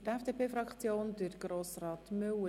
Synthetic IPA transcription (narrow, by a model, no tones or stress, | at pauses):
tɛfd̥epʰeːfɾɑkt͡sjoːndəɾɡ̥ɾoːsrɑːt̪mʏw